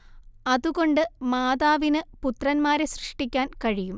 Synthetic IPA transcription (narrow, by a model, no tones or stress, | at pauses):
ɐðuɣo̞ɳɖɨmaːðaːʋinɨput̪rɐnmaːɾeɕrɨʂʈikʲːaːnkɐɻijum